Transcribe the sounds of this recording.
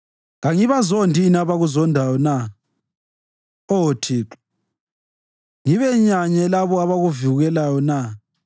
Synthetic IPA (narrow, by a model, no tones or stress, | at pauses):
ɣaŋiβazondʱiːnaβaɣuzɔndʱajɔna | otʰiːǁḁ | ŋiβɛɲaɲɛlaβɔaβaɣuviuɣɛlajɔna